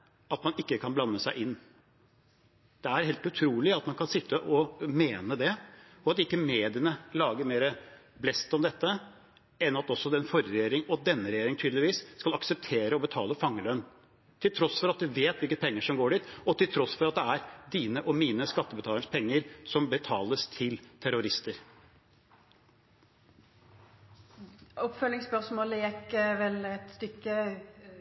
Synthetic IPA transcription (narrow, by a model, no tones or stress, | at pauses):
ɑt̪mɑnɪkːəkʰɑnblɑnːəsæɪʔɪnː | d̪̥ɛæɾheːlt̪ʉt̪ʰɾuːlɪɑt̪mɑnkʰɑnsɪt̪ʰːəʔɔmeːnəd̪ɛ | ɔɑt̪ɪkːəmeːd̪ɪənəlɑːɡəɾmeːɾəblɛst̪ɔmd̪ɛt̪ːə | ɛnɑt̪ɔsːɔɛnfɔɾɾɛjeːɾɪŋɔt̪̚d̪ɛnːəɾɛjeːɾɪŋt̪ʰyːd̪lɪʋiːsːkɑlɑksəp̚t̪ʰeːɾəɔbət̪ʰɑːləfɑŋːəlœnː | t̪ʰɪlt̪ʰɾɔsfɔɾɑt̪̚d̪ʉʋeːt̪ʋɪlkəpʰɛŋːəʂɔmɡoːɖiːt̪ɔt̪ʰɪlt̪ʰɾɔsfɔɾɑt̪̚d̪ɛæɾd̪iːnəʔɔmiːnəskɑt̪ːəbət̪ʰɑːləəʂspʰɛŋːəɾsɔmbət̪ʰɑːləst̪ʰɪlt̪ʰæɾʊɾɪst̪əɾ | ɔpfœlɪŋspœʁsmoːləjɛkʋɛlɛt̪st̪ʏkːə